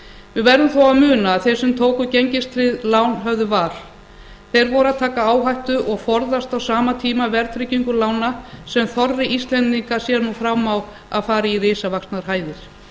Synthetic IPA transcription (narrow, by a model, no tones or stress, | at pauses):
vɪðvɛɾðʏmθowaðmʏːnaːðθejɾsʏmt̪ʰoːwkʏceɲcɪst̪ʰɾɪðlaːwnɦœvðʏvaːɾ̥ | θejɾvɔɾʏaðt̪ʰaːkaaːwɦajht̪ʏʔɔɣfɔɾðast̪awsaːmat̪ʰiːmavɛɾt̪ʰɾɪciŋkʏlaːwnasɛmθɔɾðɪʔist̪lɛnt̪iŋkḁsjɛɾnufɾamaw | a̰ðfaːɾɪirɪːsavaksnaɾ̥ɦaːjðɪɾ̥